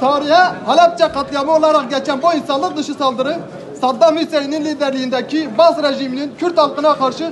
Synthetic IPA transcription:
t̪ʰɑɾiɦɛhɑlɛp̚t͡ʃʰɛqʰɑt̪lˠɨjɑmɑolˠɑɾɑqɡʲɛlkʲʰɛnbuinsɑnlˠəq̚d̪ɨʃɨsɑlˠd̪ɨɾɨ | sɑd̪ːɑmisɛjinɪnlid̪ɛɾlɪjind̪ɛkʲʰibɑzɾɛʒimɪnɪnkʲʰyɾt̪ɑlˠqənɑqʰɑɾʃɨ

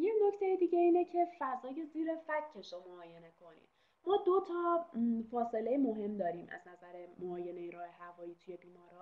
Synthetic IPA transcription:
jecno̞ct̪ʰe̞jed̪iːɟe̞iːnecʰe̞fæzɒːje̞ziːɾefæcʰːeʃomoɒːje̞ne̞kʰo̞nḭːd̪ | mɒːd̪o̞t̪ʰɒːfɒːse̞le̞jemo̞ɦe̞md̪ɒːɾiːmʔæ̰znæzæɾemoɒːje̞ne̞jeɾɒːhe̞hævɒːjiːt̪ʰuje̞biːmɒːɾɒ

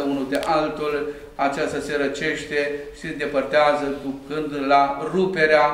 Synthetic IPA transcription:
unud̪eʔalt̪ulʲ | at͡ʃast̪aseɾət͡ʃe̞ʃt̪e̞ʃi̥send̪e̞pərt̪eazəd̪ukɨnd̪larupe̞ɾea

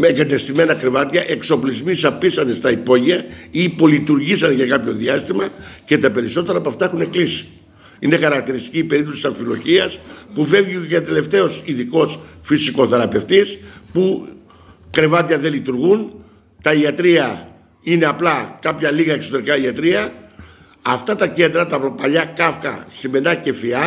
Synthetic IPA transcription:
mekɐt̪est̪ime̞nɐkɾe̞vɐt̪iɐʔe̞kso̞plizmisɐpisɐnd̪est̪ɐipo̞ʝiɐipo̞lit̪uɾʝisɐnʝɐkɐpço̞ðiɐst̪imɐce̞t̪ɐpe̞ɾiso̞t̪e̞ɾɐːpoɐft̪ɐe̞xune̞klisi̥ | ine̞xɐɾɐk̚t̪iɾist̪i̥ciːpe̞ɾit̪osisɐɱfilo̞̰çiɐspuve̞vʝiet̪e̞le̞ft̪e̞o̞siðiko̞sfisiko̞θeɾɐpe̞ft̪ispu | kɾe̞vɐt̪iɐðe̞lit̪uɾɣun | t̪ɐiɐt̪ɾiɐ | ine̞ɐplɐkɐpçɐliɣɐekso̞t̪eɾikɐiɐt̪ɾiɐ | ɐft̪ɐt̪ɐce̞nd̪ɾɐt̪ɐpɾopɐʎɐkɐfkɐ̰sime̞nɐce̞fiɐ

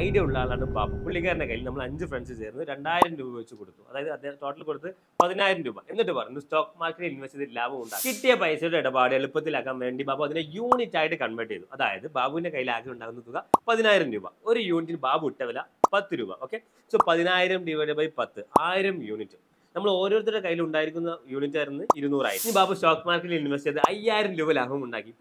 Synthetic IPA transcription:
ɐjɖɨuɭːaːɭaːɳɨba̰ːbupuɭːiɣɐɾɐnɐkɐjilnɐmːɐɭɐɲd͡ʑɨfreɳɖsɨt͡ɕeːrnːɾe̞ɳɖaːjiɾɐmɾuːbɐʋit͡ɕːɨkoɽut̪ːuɐ̰ðaːjɐðɨɐd̪eʈo̞ːʈːɐlkoɽut̪ːɨ | pɐðinaːjiɾɐmɾuːbɐ̰ʔenːiʈːɨpɐrɐ̰junːusto̞ːkmaːrkeʈːinʋɐsit̪ːiilːaːʋuuɳɖaːɣkiʈːijɐpɐjsɐuɽeiɽɐbaːɽieɭupːɐt̪ːilaːkːaːmʋeːɳɖibaːbuɐðinejuːnitːaːjiʈːɨkɐɳʋeʈːijɐt̪ːuʔɐða̰ːjɐðɨbaːbuʋinde̞kɐjːilaːkːiuɳɖaːkunːɐt̪ːuɣɐpɐðinaːjiɾɐmɾṵːbɐ̰o̞ɾujuːnit̬ːinbaːbuiʈːɐʋɐlɐpɐt̪ːɨɾṵːbɐ̰ʔo̞ːkːe | soːpɐðinaːjiɾɐmɖiʋɐɽɐbɐjpɐt̪ːɨaːjiɾɐmjuːnitːɨ | nɐmːɐɭo̞ːɾoːrt̪iɾɽekɐjːiluɳɖaːjiɾikʲːunːɐjuːnitːaːjiɾnːɨiɾunuːra̰j̰ɲibaːbusʈo̞ːkːmaːrkeʈiliniʋɐsit͡ɕːɐðɨɐjːaːjiɾɐmɾuːbɐlaːɦɐʋɐmuɳɖa̰ːkːi

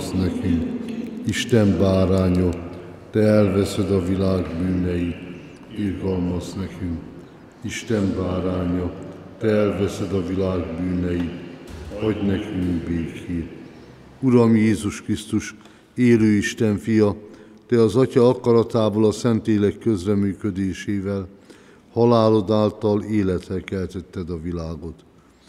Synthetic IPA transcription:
snɛkyŋkiʃt̪ɛmbaːɾaːɲɒ | t̪ɛɛlvɛsɛd̪ɒvilaːɡbyːnɛji | irɡɒlmɒsnɛkymk | iʃt̪ɛmbaːɾaːɲɒ | t̪ɛɛlvɛsɛd̪ɒvilaːɡbyːnɛjivɒɟnɛkyŋɡbeːkeːt | uɾɒmjeːzuʃkrist̪uʃ | eːløːiʃt̪ɛɱfijɒ | d̪̥ɛɒzɒcɒɒkɒɾɒt̪aːbolɒsɛnt̪leːlɛkːø̞zrɛmyːkød̪eːʃeːvɛl | hɒlaːlo̞d̪aːlt̪ɒleːlɛt̪ɛkɛlt̪ɛt̪ːɛd̪ɒvilaːɡo̞t̪

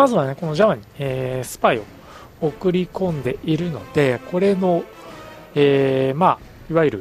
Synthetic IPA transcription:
mazɨβane̞ko̞no̞ʑaβaɲ̟ieːsɨ̥paio̞ | okɯ̟ɾʲikõ̞nd̪e̞ʔiɾɯ̟no̞d̪̥e̞kʰo̞ɾe̞no̞ | eːma | iβaiɾɯ̟

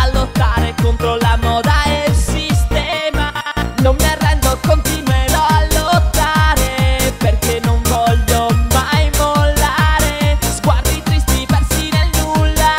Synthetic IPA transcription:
alːot̪ːaɾekont̪ɾolamɔːd̪aelsist̪ɛmanomːerːɛnd̪okont̪inweloalːot̪ːaːɾeperkenːoɱvɔʎːomajmolːaːɾezɡward̪it̪ɾist̪ipersinelnulːa

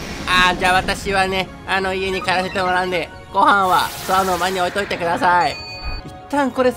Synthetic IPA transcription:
ad͡ʑaːβat̪aɕiβane̞ | ano̞ieɲ̟ikaɾase̞t̪e̞moɾaɯ̃nd̪e̞ | ɡo̞hãɰ̃βasoanomaɲ̟ːio̞it̪o̞it̪e̞kɯ̟d̪asaiit̪ːãŋko̞ɾe̞

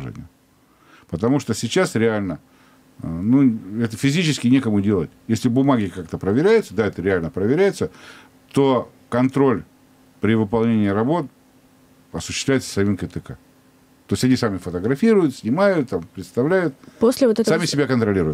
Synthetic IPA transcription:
ʐḛnʲɪ̰jʊ | pət̪ɐmuʂt̪osʲɪt͡ɕasɾʲɪalʲnə | nuɛt̪əfʲɪzʲit͡ɕɪskʲɪnʲekəmʊdʲe̞lˠətʲjesʲlʲɪbʊmaɡʲɪkak̚t̪əpɾəvʲɪɾʲæjʊt̪səd̪aɛt̪əɾʲɪalʲnəpɾəvʲɪɾʲæjʊt̪sə | t̪o̞ | kɐnt̪ɾo̞lʲ | pɾʲɪvɨpɐlˠnʲenʲɪiːɾɐbo̞t̪̚ | ɐsʊɕːɪ̥st̪lʲæɪt̪sə̥sɐmʲinkət̪ɨka | t̪o̞ɪsʲɐnʲisamʲɪfət̪əɡɾɐfʲiɾʊjʊt̪sʲnʲɪmajʊt̪t̪ːampɾʲɪt̪st̪ɐvlʲæjʊt̪̚posʲlʲɪvot̪ɛssamʲɪsʲɪbʲakənt̪ɾɐlʲiɾʊjt̪

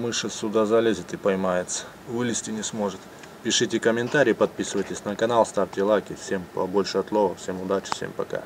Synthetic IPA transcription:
mɨʂɨsʲʊd̪azɐlʲezʲɪt̪ɨpɐjmajɪt̪sə̥ | vɨlʲɪsʲtʲɪnʲɪsmo̞ʐɨt̪ | pʲɪʂɨtʲɪkəmʲɪnt̪aɾʲijːpɐd̪̚pʲisɨvəjtʲɪsʲnəkɐnalˠst̪artʲɪlˠakʲɪfsʲempɐbo̞lʲʂɨɐt̪lˠovəfsʲe̞mʊd̪at͡ɕɪ̥fsʲḛmpɐka̰

